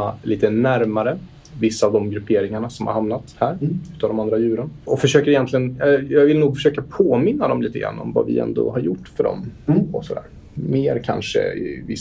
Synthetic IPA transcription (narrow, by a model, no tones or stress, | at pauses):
aliːt̪ənæɾmaɾə | vɪsːaːvd̪ɔmɡɾɵpʰeːɾɪŋaɳasɔmha̰ɾhamnat̪hæːɾʉ̟ːt̪ːavd̪ɔmand̪ɾajʉ̟ːɾənɔfœʂøːkəɾɪjɛnt̪lɪənjɑːɡvɪlnuːɡfœ̥ʂøːkapʰoːmɪnːad̪ɔmliːt̪əɡɾa̰nːɔ̰mva̰vɪ̰ɛ̰nd̪o̰ɦaɾjʊʈːfœɖɔ̰mɔsɔd̪æ̰ːɾ | meːɾkʰa̰nʂə̰ɪ̰vɪs